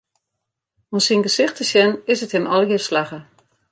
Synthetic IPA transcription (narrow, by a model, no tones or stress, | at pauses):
ɔnsinɡəsɪxtəsjɛnɪsətɪnɔlˠɦərslaɣə